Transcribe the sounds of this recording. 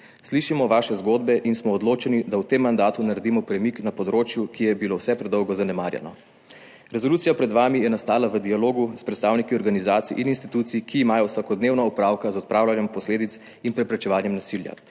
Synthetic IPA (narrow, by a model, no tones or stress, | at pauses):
sliʃimɔʋaːʃɛzɡoːd̪bɛʔinsmɔːd̪loːt͡ʃɛnid̪awt̪emːand̪aːt̪unaɾed̪imɔpɾɛmiknapɔd̪ɾoːt͡ʃjukijɛbilowsɛpɾɛd̪ɔwɡɔzanɛma̰ːɾjɛ̰nɔ | ɾɛzɔlut̪sijapɾɛd̪ʋaːmijɛnast̪aːlaʋəd̪ialoːɡuspɾɛt̪st̪aːwnikiɔɾɡanizaːt̪sḭʔininst̪it̪ut̪sikʰiːmaːjɔwsakɔd̪neːwnaupɾawkazɔt̪̚pɾaːwlanjɛmpɔsleːd̪it̪s | inpɾɛpɾɛt͡ʃɛʋaːnjɛmnasilja̰